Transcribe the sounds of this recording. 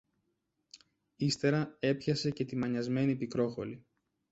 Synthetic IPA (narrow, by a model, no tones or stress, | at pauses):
ist̪e̞ɾɐe̞pçɐse̞ce̞t̪imɐɲɐzme̞nipikɾo̞xo̞̰li